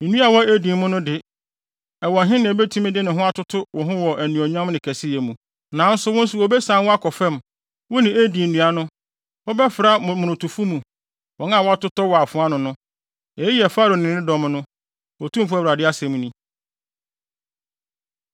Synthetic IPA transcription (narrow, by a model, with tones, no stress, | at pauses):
n̩˨nũ˦a˨wɔ˦e˦dĩ˨mmʊ̃˦nʊ̃˦dɪ˨ | ɛ˨wɔ̃˨nɦɪ̃˦nɪ̃˨ɛ˨bɛ˦tʰu˦mĩ˦dɪ˦nɪ̃˨ɦʊ̃˦a˦tʰʊ˦tʰʊ˦wɔ˨ɦʊ̃˦wɔ˨ʔæ˨nũ˨ɔ˨ɲ˦ã˦mnɪ̃˨kʰæ˨sɪ˦jɛ˨mũ˨ | nã˨˦n̩˦sʊ˦wʊ̃˦n̩˦sʊ˨wɔ˨bɛ˦sã˨˦wɔ˦a˦kʰɔ˨fɛ̃˦˨m | wɔ˦nɪ̃˨e˦dĩ˨n̩˨nũ˨a˨nʊ̃˦ | wɔ˦bɛ˦fɪ˨ɾa˦mʊ̃˨nʊ̃˨tʊ˨fu˦mũ˨ | wɔ˨˦n˦ã˦˨wɔ˦a˦tʊ˦tɔ˦wɔ˨a˨fʊ̃˨˦a˦nʊ̃˨nʊ̃˦ | ɛ˨˦ji˦ɛ˨fa˦ɾo˨nɪ̃˨nɪ̃˦dɔ̃˦m˦nʊ̃˦ | wɔ˨tũ˦m˦fu˦ɛ˦˨ɾa˨dɪ˦a˦sɛ̃˨m̃˦nĩ˦